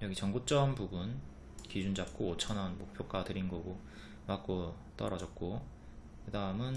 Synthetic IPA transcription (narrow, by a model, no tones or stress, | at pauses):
jʌɡit͡ɕʌŋɡot͡ɕ͈ʌmpubun | kid͡ʑund͡ʑap̚k͈oot͡ɕʰʌnanmok̚pʰjok͈atɯɾinɡʌɡo | mak͈̚o | t͈ʌɾʌd͡ʑʌt̚k͈o | kɯdaɯmɯn